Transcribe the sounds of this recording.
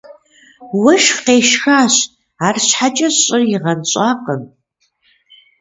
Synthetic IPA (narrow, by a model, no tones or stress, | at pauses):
wɐʃqeːʃxaːɕ | aːrɕħat͡ʃʼɐɕʼɪrjɪʁɐnɕʼaːqən